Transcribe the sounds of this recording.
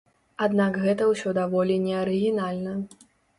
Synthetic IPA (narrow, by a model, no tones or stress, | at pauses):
ad̪nakɣɛt̪ɐwsʲɔd̪avɔlʲinʲɛɐɾɨɣʲinalʲnɐ